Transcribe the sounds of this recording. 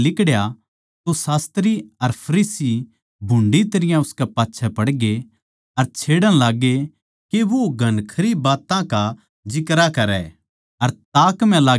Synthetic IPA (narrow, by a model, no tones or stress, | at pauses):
lɪkɽja | t̪osaːst̪ɾiɐɾpʰɐɾiːsi | bʱʊ̃ɳɖit̪ɐɾɪjãʊskɛpaːtːʃʰɛpɐɽɡe | ɐɾt͡ʃʰeːɽə̃laːɡːe | keʋoɡʱɐnkʰɐɾibaːt̪ãka | d͡ʒɪkɾakɐɾɛ̰ | ɐɾt̪aːkm̤ɛ̃laː